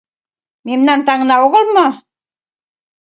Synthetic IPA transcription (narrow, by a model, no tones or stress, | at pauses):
mimnant̪aŋnaoʁəlmə